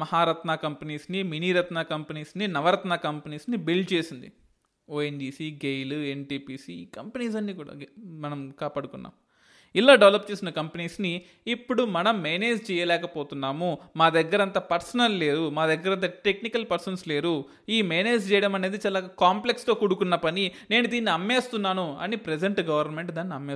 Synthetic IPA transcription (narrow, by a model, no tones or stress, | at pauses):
mɐɦaːɾɐt̪nakɐmpeniːsniminiːɾɐt̪naːkɐmpɐniːsninɐʋɐɾɐt̪naːkɐmpɐniːsnibilɖt͡ʃe̞ːsind̪i | oːenɖiːsiɡejluenʈiːpiːsikɐmpeniːs̬ɐnːiːkuːɽa̰ːmɐnɐmkaːpaːɽukunːa̰ːm | ilːaːɖeʋlɐp̚t͡ʃeːsinɐkɐmpɐniːsniː | pːuɽumɐnɐmːeːneːd͡ʒt͡ʃɛːjɐlɛːkɐpoːt̪unːaːmumaːd̪ɐɡːɐɾɐnt̪ɐpɐɾsɐnɐlle̞ːɾumaːd̪ɐɡːɐɾɐnt̪̬ɐʈe̞knikɐlpɐɾsɐnsle̞ːɾu | iːmeːneːd͡ʒt͡ʃɛːjɐɽɐmɐne̞ːd̪it͡ʃaːlaːkaːmple̞kst̪o̞ːkuɽukunːɐpɐnine̞ːnud̪iːnːiɐmːe̞ːst̪unːaːnuɐ̰nipɾed͡ʒeɳʈɡɐʋɐɾnme̞ɳʈd̪aːnːiɐmːes